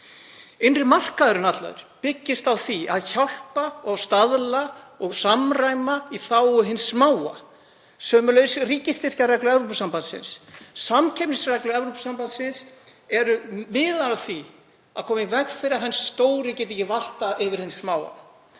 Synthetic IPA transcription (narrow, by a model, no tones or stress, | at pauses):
ɪnrɪmar̥kaðʏɾʏnat̪la̰ðʏ̰ɾ̥pɪcːɪst̪awθiaðçawl̥paɔɣst̪aðlaɔɣsamrajmaiθaːwʏɦɪnsːmaːwa̰ | sœːmʏlœɥsriːcɪst̪ɪr̥carɛklʏɛvɾupsampant̪sɪ̰nssamcʰɛmnɪsrɛklʏɛvɾowpsampant̪sɪnsɛɾʏmɪːðalaθi | aðkʰɔːmɪvɛɣfɪɾɪaɦɛnːsːt̪oːwɾɪcɛːt̪ɪcɪval̥t̪aʔɪvɪɾ̥hɪnssmaːwa̰